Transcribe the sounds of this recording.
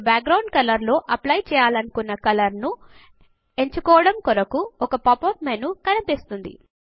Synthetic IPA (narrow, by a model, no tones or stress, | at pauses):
baːk̚ɡɾɐwɳɖ̚kɐlɐɾlo̞ːʔɐplɐjt͡ʃɛːjaːlɐnukunːɐkɐlɐɾnu | e̞ɲt͡ʃukɔːɐɽɐmkɔɾɐkuɔkɐpɐpoːpmenukɐnipist̪und̪ḭ